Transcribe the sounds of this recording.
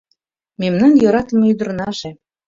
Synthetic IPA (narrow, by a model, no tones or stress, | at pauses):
memnɑnjɤɾɑt̪ə̆meyd̪ə̆ɾnɑʒe